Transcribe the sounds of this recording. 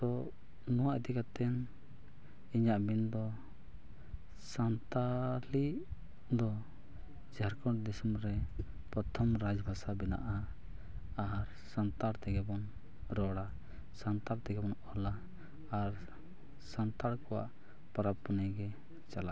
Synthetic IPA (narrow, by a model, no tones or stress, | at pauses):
t̪ɔ | nɔwaʔid̪ikat̪ɛn | iɲaʔbind̪ɔ | sant̪aliʔ | d̪ɔ | d͡ʒaɾkɔʈd̪isumɾɛ | pɾɔt̪ʰɔmɾad͡ʒbʱasabɛna̰ʔa | aɾ | sant̪aɽt̪ɛɡɛbɔn | ɾɔɽa | sant̪alt̪ɛɡɛbɔnɔlaː | ɾ | sant̪aɽkɔwa̰ʔ | paɾapːɔnajɡɛ | t͡ʃala